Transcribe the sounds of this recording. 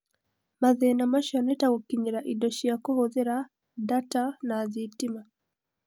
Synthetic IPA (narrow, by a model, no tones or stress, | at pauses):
maðenamaʃɔnɛtaɣokiɲiɾaʔidɔʃijakohoðeɾa | datanaðitima